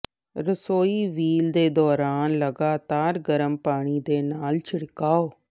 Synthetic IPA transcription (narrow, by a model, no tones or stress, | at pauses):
ɾəsoːiːʋiːld̪eːd̪ɔːɾaːnləɡaːt̪aːɾɡəɾəmpaːɽ̃iːd̪eːnaːlt͡ʃʰɪɽkaːoː